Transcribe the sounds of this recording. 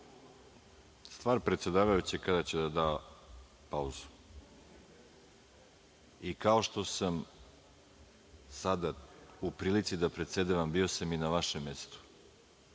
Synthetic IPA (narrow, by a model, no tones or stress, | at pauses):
st̪vaːɾpɾet̪se̞d̪aːʋajut͡ɕekad̪at͡ɕed̪ad̪aː | pauzu̥ | ikao̞ʃt̪o̞sam | sad̪aupɾiːlit̪sid̪apɾet̪se̞d̪eʋambio̞saminaʋaʃemːe̞st̪u̥